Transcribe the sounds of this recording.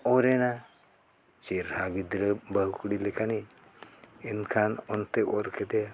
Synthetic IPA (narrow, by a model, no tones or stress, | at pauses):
oɾena | t͡ʃeɾhaɡid̪ɾəbəɦkuɽilekani | enkʰanont̪eʔoɾkʰed̪ea